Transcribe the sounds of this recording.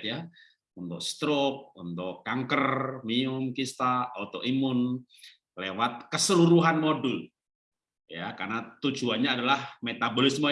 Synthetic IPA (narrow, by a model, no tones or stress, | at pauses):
t̪ja | unt̪ʊ̰k̚st̪ɾok̚unt̪ʊkːaŋkərmiʊmkist̪aot̪ʊʔimʊn | lewat̪̚kəsəluɾuɦanmodʊl | jaka̰rnat̪ud͡ʒuanɲaːdalahmet̪abolɪsmo